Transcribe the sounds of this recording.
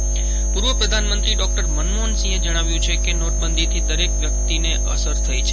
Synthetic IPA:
puɾʋəpɾəd̪ʱanmənt̪ɾiɖɔk̚ʈəɾmənmonsĩed͡ʒəɽ̃aʋjũt͡ʃʰekenoʈ̚bənd̪it̪ʰid̪əɾekʋjək̚t̪ineʔə̰səɾt̪ʰəjt͡ʃʰe

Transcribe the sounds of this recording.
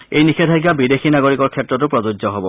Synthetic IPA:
ejnixʰetʰaɡ̬abidexinaɡoɹikɔɹkʰɛtːɹɔt̬ʊpɹɔzud͡ʒzɔɦɔbɔ

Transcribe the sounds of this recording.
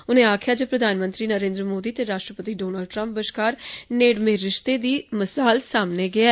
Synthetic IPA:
ʊnẽːaːkʰɪjaːd͡ʒoːpɾəd̪ʱaːnmə̃nt̪ɾiːnəɾẽːnd̪ɾəmoːd̪iːt̪eːɾaːʃʈɾəpət̪iːɖoːnəlɖʈɾə̃mp̚bəʃkaːɾneːɖmẽɾɪʃt̪eːd̪iːməsaːlsaːmneːɡɪeː

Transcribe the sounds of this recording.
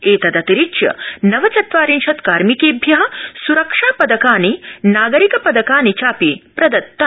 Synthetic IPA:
eːt̪ɐd̪ɐt̪iɾit͡ʃjɐ̰nɐʋɐt͡sɐt̪ʋaːɾinʃɐt̪kaːɾmikeːbʱjɐɦɐ̆suɾɐkʂaːpɐd̪ɐkaːninaːɡɐɾikɐpɐd̪ɐkaːnit͡ʃaːpiːpɾɐd̪ɐt̪ːɐ

